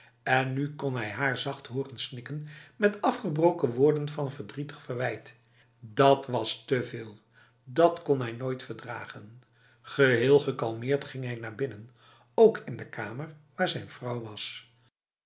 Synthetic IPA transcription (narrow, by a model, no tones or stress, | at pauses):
ɛnːykɔnɦɛjɦaːɹzɑχtɦʊːrənsnɪkənmɛtɑfχəbrowkəʋʊːɹdənvɑnvəɹdritə̥χfərʋɛjt | dɑtʋɑstəvɪːlˠ | dɑtkɔnɦɛjnojtfəɹdra̰ːχən | χəɦɪːlˠχəkɑlˠmɪːɹtχɪŋɦɛjnaːɹbɪnən | owkʰɪndəkʰaːməɹʋaːɹzɛjnvrɑwʋɑs